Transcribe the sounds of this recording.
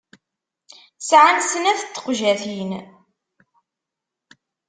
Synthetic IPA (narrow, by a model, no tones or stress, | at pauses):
sʕansənæθət͡s̪ːə̥qʒæθin